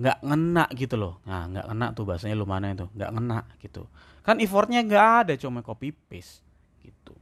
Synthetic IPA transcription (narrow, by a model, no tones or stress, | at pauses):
ŋɡaʔŋənaʔɡit̪ulʊhŋaŋɡa̰ʔŋəna̰ʔt̪ubaasaɲalomanait̪uŋɡa̰ʔŋənaʔɡ̥it̪ṵ | kanifɔrt̪̚ɲaŋɡaʔadat͡ʃomakopipɪs | ɡ̥it̪u